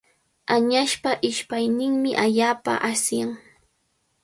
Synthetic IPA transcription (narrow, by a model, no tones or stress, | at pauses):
aɲaʃpaʔɪʃpajnɪŋmɪʔaʎaːpa̰ʔasjaŋ